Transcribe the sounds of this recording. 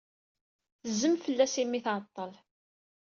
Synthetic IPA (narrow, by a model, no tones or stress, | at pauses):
θəzəmfəlːæsimːiθt̪ˤːəl